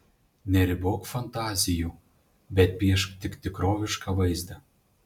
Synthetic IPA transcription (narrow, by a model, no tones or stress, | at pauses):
nʲɛɾʲɘbokfant̪ɑzʲiju | bʲɛt̪̚piɛʃkt̪ʲɘkt̪ʲɪkɾovʲɪʃkɑvɤjzd̪ɑ